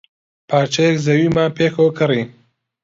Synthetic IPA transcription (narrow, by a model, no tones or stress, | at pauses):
pʰaːɾt͡ʃʰɐjekzɐwiːmaːpʰeːkʰowkʰɨri